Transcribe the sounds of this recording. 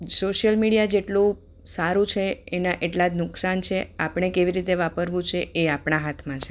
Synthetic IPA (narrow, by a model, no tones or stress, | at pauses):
soʃəlmiɽijad͡ʒeʈlũ | saɾũt͡ʃʰeenaʔeʈlad͡ʒnʊksant͡ʃʰeapɽɳ̃ekeʋiɾit̪eʋapəɾʋũt͡ʃʰeʔeapɳaɦat̪ʰmãt͡ʃʰe